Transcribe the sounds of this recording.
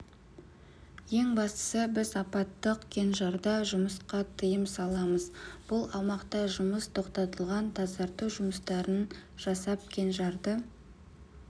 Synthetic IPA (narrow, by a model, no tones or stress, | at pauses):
je̞ŋbɑst̪ə̥səbɪzɑpɑt̪ːəqkʲʰe̞nʒɑɾd̪ɑʒʊməsqɑt̪ʰəjəmsɑlˠɑməzb̥ʊlˠɑmɑqt̪ɑʒʊməst̪ʰo̞qt̪ɑt̪əlˠʁɑnt̪ʰɑzɑɾt̪uwʒʊməst̪ɑɾənʒ̥ɑsɑp̚kʲʰe̞nʒɑɾd̪ə